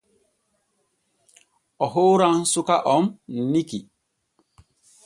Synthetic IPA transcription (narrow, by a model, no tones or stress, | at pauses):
ɔɦoɾaŋsukaʔɔmn̩niki